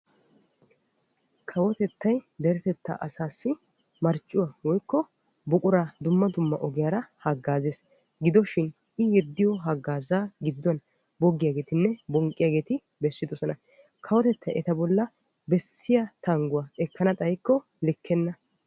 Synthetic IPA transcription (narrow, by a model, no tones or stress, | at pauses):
kʰɐwɔt̪ɛt̪ːɐjd̪ɛɾɛt̪ɛt̪ːa̰ʔɐsaːsːɪ | mɐɾt͡ʃʼːʊwaːwɔjkːɔ | bʊkʼʊɾaːd̪ʊmːɐd̪ʊmːɐ̰ʔɔɡɪjaːɾɐhɐɡːaːzeːs | ɡɪd̪ɔʃɪn | ɪjɛd̪ːɪjɔɦɐɡːaːzaːɡɪd̪ːʊwɐn | bɔɡːɪjaːɡeːt̪ɪnːɛbɔŋkʼːɪjaːɡeːt̪ɪ | bɛsːɪd̪ɔsɔnɐ | kʰɐwɔt̪ɛt̪ːɐjʔɛt̪ɐbɔlːɐ | bɛsːɪjɐt̪ɐŋɡʊwaːɛkːɐnɐt̪ʼɐjkːɔ | lɪkʰːɛnːɐ